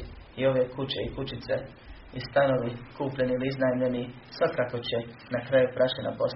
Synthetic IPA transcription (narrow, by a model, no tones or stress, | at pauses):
io̞ʋje̞kut͡ɕeikut͡ɕit̪se̞ | ist̪ano̞ʋikuːpʎe̞niiliiznajmʎe̞ni | sʋakako̞t͡ɕe | nakɾajupɾʔat͡ɕena̰pos